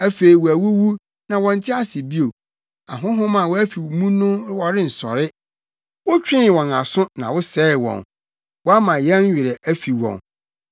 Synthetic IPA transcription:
æ˦fe˨i˨wɔ˨æ˨wu˦wu˦ | nã˨wɔ̃˨n̩˨˦tʰɪ˦a˦sɪ˨bi˦o˨ | a˨ɦʊ̃˦ɦʊ̃˦mã˨wɔ˦æ˦fi˨mũ˦nʊ̃˦wɔ˨ɾɪ˦n̩˨sɔ̰˨ɾɪ˦ | wɔ˦t͡ɕᶣɪ̃˦˨wɔ̃˨na˨sʊ̃˦nã̰˨wʊ˦sɛː˦ɪ˨wɔ̰̃˨n | wɔ˦a˦mã˨jɛ˦ɲ̩˦ɥᶣɪ˨ɾɛ˨ʔæ˦fi˨wɔ̰̃˨n

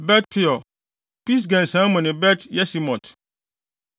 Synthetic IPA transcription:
bɛ˦t̚pʰɪ˦ɔ˨ | pi˦s̬ɡã˨n˨sã˦mɔ̃˨nɪ̃˨bɛ˦tjɛ˦si˨mɔ̃˨t

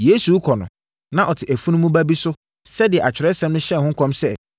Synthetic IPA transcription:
je˦su˨˦kʰɔ˨nʊ̃˨ | nã˦ʔɔ˨tʰɪ˨ʔæ˨fu˦nũ˦mũ˦bæ˦bi˦sʊ˦ | sɛ˦dɪ˨ɛ˨a˨t͡ɕᶣɪ˨ɾɛ˦sɛ̃˦mnʊ̃˦ɕɛ˦˨hʊ̃˦ŋ̩˦kʰɔ̃˦msɛ˦

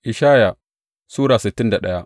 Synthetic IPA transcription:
ʔɪ˨ʃaː˦ja˨ | suː˦ɾaː˨sɪ˨tːɪ˦nda˨ɗɐ˦ja˦

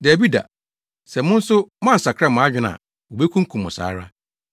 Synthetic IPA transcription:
dæ˨bi˦da̰˨ | sɛ˨mʊ̃˦n̩˦sʊ˦m˦ã˦˨n̩˨sa˨kʰɾɛ˦˨mʊ̃˨a˦d͡ʑᶣɪ˨nã̰˨ | o˨be˦kʰũ˦ŋ˦kʰũ˨mːʊ̰̃˨sa̰ː˨˦ɾa˦

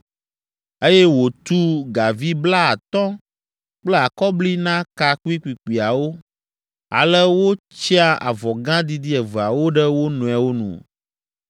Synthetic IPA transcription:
e˦jɛ˦wo˨t̪u˦ɡa˨vi˦bla˦a˨t̪ɔ̃˦ | k͡plɛ˦a˨kɔ˦bli˦nã˦ka˨ku˦i˦kʷi˨k͡pi˨a˨wo˦ | a̰˨lə˦wo˦ | t͡ɕi˦a˦ʔa̰˨vɔ˨ɡã˦d̪i˦d̪i˦ɛ˨və˨a˨wo˦ɖə˦wo˦nũ˨ɛ˨wo˦nṵ̃˨

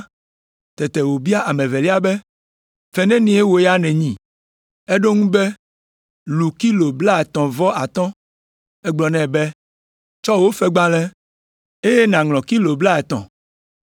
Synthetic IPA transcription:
t̪ɛ˨t̪ɛ˨wo˨bi˦a˦ʔa˨mɛ̃˨vɛ˨li˦a˦bɛ˦ | fɛ˦nɛ̃˦nĩ˨e˦wo˨jɛ˦a˦nɛ̃˨ɲĩ˨ | e˦ɖo˦ŋũ˦bɛ˦ | lu˨ki˦lo˨bla˦ɛ˨t̪ɔ̃˨vɔ˦ʔa˨t̪ɔ̃˦ | ɛ˦ɡ͡blɔ˨nɛ̃˦˨bɛ˦ | t͡ʃɔ˦wo˦fɛ˦ɡ͡bã˦lɛ̃˦ | e˦je˦nã˨ŋlɔ̃˨ki˦lo˨bla˦ɛ˨t̪ɔ̰̃˨

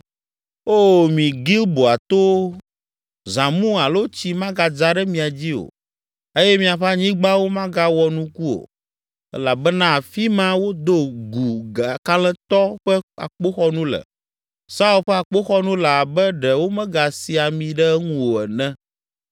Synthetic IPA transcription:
o˦mĩ˨ɡi˦lbo˨a˨t̪o˦ | zã˨mũ˦a˨lo˦t͡ɕi˦mã˦ɡa˨d͡za˦ɖɛ˦mĩ˨a˨d͡ʑi˦o̰˨ | e˦jɛ˦mĩ˦a˨ɸa˦ɲĩ˦ɡ͡ba˦wo˦mã˦ɡa˦wɔ˨nũ˦ku˦o̰˨ | ɛ̰˦la˨bɛ˦nã˦˨fi˦mã˦wo˦d̪o˦ɡu˨ɡa˨ka˦lɛ̃˦t̪ɔ˦ɸɛ˦a̰˨k͡po˦xɔ˦nũ˦lɛ̰˨ | sa˦u˦lɸɛ˦a˨k͡po˦xɔ˦nũ˦la˨bɛ˦ɖɛ˨wo˦mɛ̃˦ɡa˨si˨a˨mĩ˨ɖɛ˦ŋũ˦wo˨ɛ˨nɛ̃˦

